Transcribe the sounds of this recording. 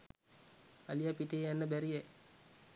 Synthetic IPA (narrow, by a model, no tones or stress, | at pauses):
alijapiʈeːjanːəbæɾije